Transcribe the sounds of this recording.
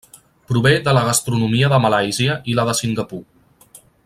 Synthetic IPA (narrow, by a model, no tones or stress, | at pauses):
pɾuβed̪ələɣ̞əst̪ɾunumiəðəməlajziəʔiləðəsiŋɡəpu